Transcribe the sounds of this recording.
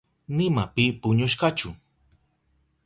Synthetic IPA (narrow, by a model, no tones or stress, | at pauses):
nɪmapɪpʊɲʊʃ̬kat͡ʃʊ